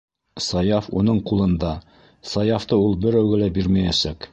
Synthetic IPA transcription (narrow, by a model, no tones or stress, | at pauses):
sɑjɑfunɤɴqulˠɤ̆nd̪ɑ | sɑjɑft̪ɤulˠbɘ̆ɾæwɡɘ̆læbiɾmæjæsæk